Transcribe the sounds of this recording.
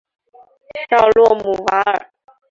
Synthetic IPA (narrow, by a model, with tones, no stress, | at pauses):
ɕɑ˥˧ʊlwɔ˥˩mu˨˩wa˧˥ə˞˨˩˦